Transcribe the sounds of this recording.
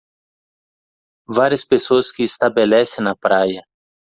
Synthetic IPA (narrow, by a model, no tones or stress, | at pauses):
vaɾiɐspesoɐskɪːst̪abelɛsẽnɐpɾajɐ